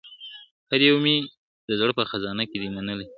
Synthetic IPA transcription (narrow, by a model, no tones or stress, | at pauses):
had̪jewmi | d̪əzɽəpəxazɑnaked̪imanəle